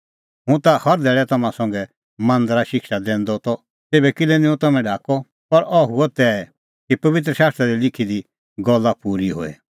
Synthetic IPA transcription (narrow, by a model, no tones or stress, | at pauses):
ɦũt̪ahɐɾd̪ʱɛːɭɛt̪ɐmãsɔ̃ŋɡɛ | mɐ̃nd̪ɾaʃɪkʃad̪ɛ̃ːnd̪ɔt̪ɔ | t̪eːbɛkɪlɛnĩũt̪ɐmɛ̃ɖʱaːkɔ | pɐɾɔɦuɔt̪ɛɛ | kipɐʋɪt̪̬ɾəʃaːst̪ɾaɾilɪkʰid̪i | ɡɔlːapuːɾiɦo̰ːḛ